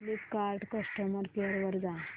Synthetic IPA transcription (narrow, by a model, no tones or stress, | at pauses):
lipkaɾɖkəsʈəməɾpeəɾʋəɾd͡za